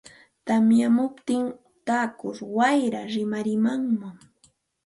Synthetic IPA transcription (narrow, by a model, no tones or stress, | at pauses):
t̪amjamʊpt̪ɪŋ | t̪aːkʊɾwajɾaɾɪmaɾɪmaŋmaŋ